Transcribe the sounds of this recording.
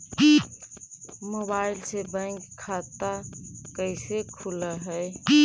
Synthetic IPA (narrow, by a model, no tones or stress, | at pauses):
moːbaːɪlsebɛ̃ːŋkʰːaːt̪akəɪsekʰʊlaɦɛː